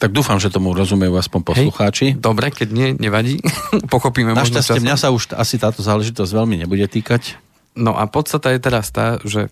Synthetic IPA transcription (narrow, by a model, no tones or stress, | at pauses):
t̪aɡ̚d̪uːfamʒɛt̪ɔmuɾɔzumɛjuːaspɔɲpɔɦɛsluxaːt͡ʃid̪ɔbɾɛkɛɟɲɪɛɲɛʋaɟiːpɔxɔpiːmɛmnaʃasɛmɲasauʃa̰sit̪aːt̪ɔzaːlɛʒit̪ɔzɟʋɛlmiɲɛbuɟɛt̪iːkac | nɔ̰ʔa̰pɔt̪st̪at̪ajɛt̪ɛɾast̪aːʒɛ